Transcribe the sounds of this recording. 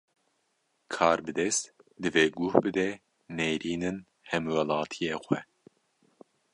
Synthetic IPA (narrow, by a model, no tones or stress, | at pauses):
kʰɑːɾbɨd̪ɛst̪d̪ɨveːɡuhbɨd̪ɛ | neːjɾiːnɨn | hɛmwɛlɑːt̪ʰijeːxʷɛ